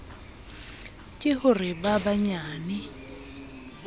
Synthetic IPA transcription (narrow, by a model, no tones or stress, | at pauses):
kʼɪhʊrɪbabaɲaːnɪ